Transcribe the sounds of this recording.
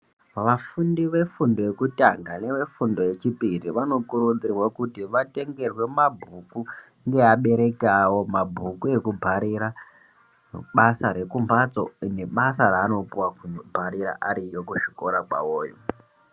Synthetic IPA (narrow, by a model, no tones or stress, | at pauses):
ʋafundiʋe̞fundo̞je̞kutaŋɡane̞ʋe̞fundo̞je̞t͡ʃipiriʋano̞kuɾund͡ziriwokutiʋate̞ŋɡe̞rwe̞mabʱuku | ŋɡe̞aɓe̞ɾe̞kawo̞mabʱukue̞kubʱaɾiɾa | ɓasaɾe̞kumbat͡so̞̰ine̞ɓasaraːno̞puwakubʱaɾiɾa̰ʔaɾijokuʃiko̞ɾakwa̰woːjo̰